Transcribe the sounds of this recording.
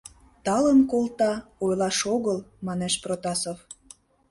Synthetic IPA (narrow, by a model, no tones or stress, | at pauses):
t̪ɑlənkolt̪ɑojlɑʃoɣəlmɑneʃprot̪ɑsof